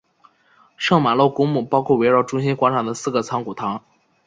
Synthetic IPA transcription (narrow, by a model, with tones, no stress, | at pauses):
ʂɤ˥˩ŋma˨˩lo˥˩ʊkʊ˥ŋmu˨˩pɑ˥ʊkʰwɔ˥˩we˧˥ɪɻɑ˥˩ʊʈ͡ʂʊ˥ŋɕi˥nkwa˧˥ʈ͡ʂʰɑ˨˩ŋd̪ə˦sɹ̩˥˩ɡə˩t͡sʰɑ˧˥ŋku˨˩t̪ʰɑ˧˥ŋ